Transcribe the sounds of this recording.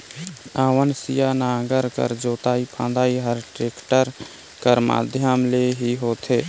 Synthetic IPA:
aːʋənsɪjaːnãːɡəɾkə̰ɾd͡ʒoːt̪aːiːpʰã̰ːd̪aːiːɦəɾʈeːkʈəɾ | kəɾma̰ːd̪ʱjamleːɦiːɦoːt̪ʰeː

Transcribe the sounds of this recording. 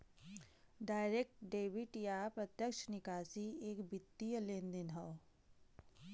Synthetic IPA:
ɖaːjɾek̚ʈɖeːʋiʈjapɾɐt̪jəkʃnɪkaːsieːkbɪt̪ːijəlẽːnd̪inɦɐw

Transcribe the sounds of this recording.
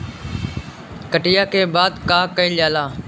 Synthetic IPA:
kəʈɪjaːkeːbaːd̪kaːkəiːlaːlaː

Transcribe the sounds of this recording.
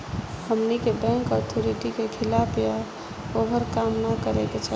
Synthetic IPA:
həmnikebɛ̃ŋkɔt̪ʰoɾiʈikekʰilapja | oɦəɾkamnakəɾeket͡ʃʰə

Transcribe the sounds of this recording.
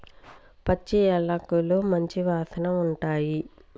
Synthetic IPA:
pɐt͡ʃːiɐɭːɐkuloːmɐɲt͡ʃiʋaːsɐnɐmuɳʈaːji

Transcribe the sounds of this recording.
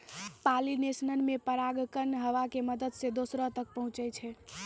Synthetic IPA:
palinesnənmepəɾaɡkənɦəʋakeməd̪əd̪sed̪osɾɔt̪ək̚pəɦũt͡ʃɛt͡ʃʰɛ

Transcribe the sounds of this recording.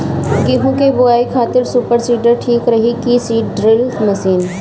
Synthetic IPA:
ɡiɦũkebʊaːikʰaːt̪ɪɾsuːpəɾsiːʈəɾʈʰiːkɾɐɦikiːsiːʈɖɾɪlmɐsiːn

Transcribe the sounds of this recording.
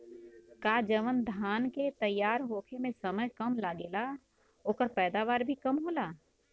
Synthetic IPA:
kaːd͡ʒəʋənd̪ʱaːnket̪əjːaːɾɦoːkʰemẽsəməjkəmlaːɡeːla | oːkəɾpɛːd̪aːʋaːɾbʱikɐmɦoːlaː

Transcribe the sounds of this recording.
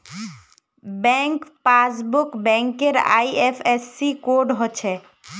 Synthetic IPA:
bɛŋkpasbukbɛŋkeɾa̰jefʰesːikoɾɖɦot͡ɕʰe

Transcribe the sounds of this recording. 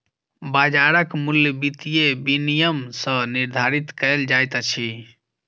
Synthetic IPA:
bad͡ʒaɾəkmuljbit̪ijebinijəmsə̃niɾd̪ʱaɾit̪kəld͡ʒajt̪t͡ʃʰi

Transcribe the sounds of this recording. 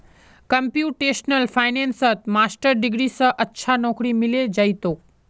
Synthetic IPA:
kɐ̃mpjuːʈeːʃnəlfaːɪnẽːnsət̪maːsʈəɾɖɪɡɾisãʔɐtːʃʰanɔːkɾimɪled͡ʑɐit̪oː

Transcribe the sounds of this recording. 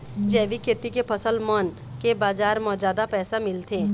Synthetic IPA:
d͡ʒɛːʋikʰeːt̪ikepʰəsəlmɔːn | kebaːd͡ʒaːɾmɔːd͡ʒaːd̪apɛːsamɪlt̪ʰeː

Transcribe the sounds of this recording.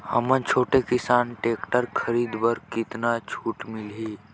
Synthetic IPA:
həmə̃nt͡ʃʰoːʈekɪsaːnʈeːkʈəɾkʰəɾiːd̪bəɾkɪt̪nat͡ʃʰuːʈmɪlɦiː

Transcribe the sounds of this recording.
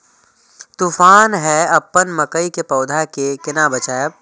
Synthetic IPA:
t̪uːfaːnɦɛɐpːənmɐkəikepɐːʊd̪ʱakekɪnabət͡ʃaːjeb

